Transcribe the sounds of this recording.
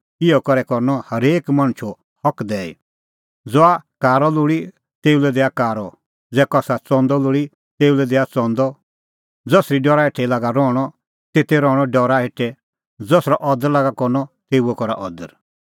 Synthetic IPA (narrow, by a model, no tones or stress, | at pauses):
ɪɔkɔɾɛkɔɾnɔhɐɾeːkmãɽ̃t͡ʃʰɔ | hɔkd̪ɛːḭ | d͡zɔakaːɾɔlʊɽi | t̪eːulɛd̪ɛːakaːɾɔ | d͡zɛːkasat͡sɔ̃ːnd̪ɔlʊɽi | t̪eːulɛd̪ɛːat͡sɔ̃ːnd̪ɔ | d͡zɔsɾiɖɔːɾaɦeʈʰɛilaːɡaɾɔːɽ̃ɔ | t̪eːt̪ɛɾɔːɽ̃ɔɖɔɾaɦeʈʰːɛ | d͡zɔsɾɔʔɔd̪əɾlaːɡakɔɾnɔt̪eːuɛkɔɾa̰ʔɔd̪əɾ